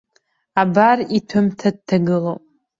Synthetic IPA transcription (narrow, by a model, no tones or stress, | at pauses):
abaritʰɨmtʰad̚tʰːaɡɨlopʼ